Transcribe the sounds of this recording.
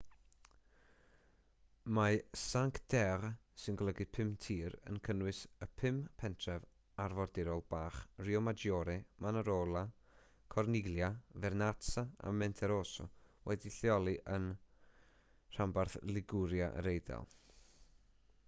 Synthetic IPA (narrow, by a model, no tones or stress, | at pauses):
masaŋkʰd̥ɛrsɪnɡɔlˠəɡɪdpʰɪmtʰiːɾə̰nkʰənwɨsəpʰɪmpʰɛntʰrɛv | arvɔrdɪɾɔlˠbaːχriɔmad͡ʒjɔːɾɛmanaɾoːlˠa | kʰɔrnɪɡlˠjavɛrnatsaa̰mɛntʰɛɾoːsɔ̰wɛdiɬjɔlˠiʔən | r̥ambarθlɪɡʊɾja̰ʔɾejda̰lˠ